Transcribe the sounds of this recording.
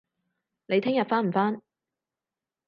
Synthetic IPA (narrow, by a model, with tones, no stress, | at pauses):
ne˨˧jt̪ʰɪ˥ŋjɐ˨t̚faː˥nm̩˨˩faː˥n